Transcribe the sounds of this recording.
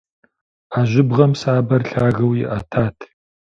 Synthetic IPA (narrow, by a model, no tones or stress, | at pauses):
aːʑʷɪbʁɐmsaːbɐrɬaːɣɐwjɪ̰ʔɐtʰaːtʰ